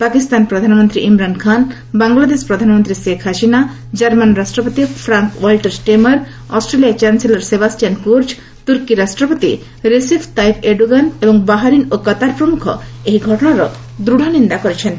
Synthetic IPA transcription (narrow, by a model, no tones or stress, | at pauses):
pakist̪anpɾɔd̪ʱanɔmɔnt̪ɾiʔimɾankʰan | baŋɡlad̪espɾɔd̪ʱanmɔnt̪ɾisekʰaʃina | d͡ʒaɾmanɾasʈɾɔpot̪ipʰɾaŋkwalʈeɾsʈemɐɾ | ɔsʈɾeliat͡ʃanselaɾsebasʈijankuɾd͡ʒ | t̪uɾkiɾasʈɾɔpot̪i | ɾesibʰt̪ajpʰeɖuɡanebɔŋbaɦaɾinokɔt̪aɾpɾɔmukʰɔ̰eɦiɡʱɔʈɔɽ̃aɾɔ | d̪ɾuɽʱanind̪akɔɾet͡ʃʰen